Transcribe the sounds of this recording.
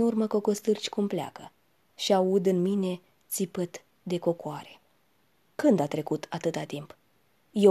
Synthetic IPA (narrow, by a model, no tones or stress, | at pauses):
nurməko̞kost̪ɨrt͡ʃʲkumplea̰kə | ʃiaud̪ɨnmine̞ | t̪sipɨt̪ | d̪e̞ko̞koaɾe̞̥ | kɨnd̪at̪ɾe̞kut̪at̪ɨt̪at̪imp | je